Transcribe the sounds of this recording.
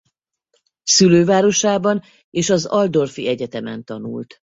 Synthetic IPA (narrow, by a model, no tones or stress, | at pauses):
syløːvaːɾo̞ʃaːbɒn | eːʃɒzɒld̪o̞rfiɛɟɛt̪ɛmɛnt̪ɒnṵlt̪